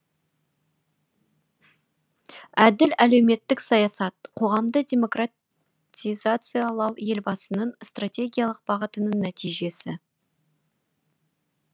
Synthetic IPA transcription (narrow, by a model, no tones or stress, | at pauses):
æd̪ɪlælewme̞t̪ːɪksɑjɑsɑt̪̚qʰo̞ʁɑmd̪ədʲe̞mo̞kra | tʲijzat̪sɨjɑlˠɑwje̞lbɑsənəɴst̪ratʲe̞ɡʲijalˠəq̚bɑʁət̪ənəɴnæt̪ijʒe̞sɪ